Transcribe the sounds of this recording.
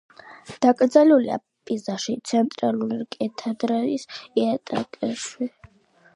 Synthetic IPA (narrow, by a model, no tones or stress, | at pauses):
d̪̥akʼɾd̪zaliulḭa̰ | pʼizaʃit̪sʰɛnt̪ʼɾaluɾikʼɛt̪ʰad̪ɾanisiat̪ʼakʼɛʃwi